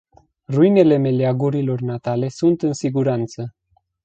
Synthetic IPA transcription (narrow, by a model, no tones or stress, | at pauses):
ruine̞le̞me̞leaɡuɾilo̞rnat̪ale̞sunt̪ɨnsiɡuɾant̪sə